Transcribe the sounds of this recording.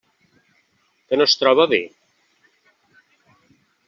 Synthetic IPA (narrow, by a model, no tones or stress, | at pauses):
kənost̪ɾɔβaβe